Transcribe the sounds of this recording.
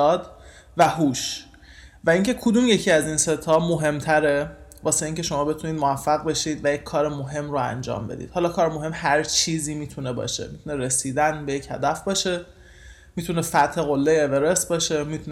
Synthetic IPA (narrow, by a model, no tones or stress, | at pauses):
ɒːd̪ | væɦuːʃ | væiŋcʰe̞kʰod̪uːmje̞cʰiæzinse̞t̪ʰɒmoɦe̞mt̪ʰæɾevɒːse̞iːŋce̞ʃo̞mɒːbe̞t̪ʰuniːd̪moæfːæɣbe̞ʃiːd̪væjecʰːɒːɾemoɦe̞mɾoæ̰nd͡ʒɒ̰ːmbe̞d̪ḭːd̪hɒːlɒːkʰɒːɾemoɦe̞mhæɾt͡ʃʰiːziːmiːt̪ʰunebɒ̰ːʃe̞̰mit̪ʰuneɾesiːd̪ænbejechæd̪æfbɒːʃe̞ | mit̪ʰunefæt̪he̞ɣolːejeːve̞ɾesbɒːʃe̞mit̪ʰun